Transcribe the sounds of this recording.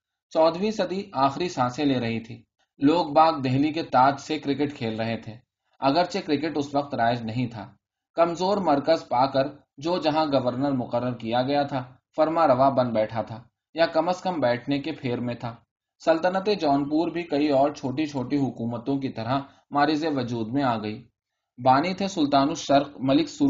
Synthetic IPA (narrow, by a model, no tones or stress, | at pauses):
t͡ʃɔːd̪ʱʋĩsɐd̪ʱiaːxɾisaːsẽleːɾɐɦit̪ʰiː | loːk̚baːɡ̚d̪ɛɦliket̪aːd͡ʒ̪sekɾɪkɪʈkʰeːlɾɐɦet̪ʰeː | ɐɡəɾsekɾɪkɪʈʊsʋəq̚t̪ɾaːɪd͡ʒnɐɦĩt̪ʰa̰ː | kɐmzoːɾmɐɾkəzpaːkɐɾ | d͡ʒoːd͡ʒɐɦãɡɐʋəɾnəɾmʊqəɾːəɾkijaɡɐjat̪ʰaː | fɐɾmaɾɐʋabɐ̃nd̪bɛːʈʰat̪ʰaː | jakɐməskəmbɛːʈʰnekepʰeːɾmẽt̪ʰaː | sɐlt̪ənət̪̬ed͡ʒɔːnp̬uːɾbʱikɐiɔːɾt͡ʃʰoːʈit͡ʃʰoːʈiɦʊkuːmət̪õk̬it̪ɐɾa | maːɾizeʋɐd͡ʒuːd̪mẽaːɡɐiː | baːnit̪ʰesʊlt̪aːnuʃɐɾqmɐlɪksʊ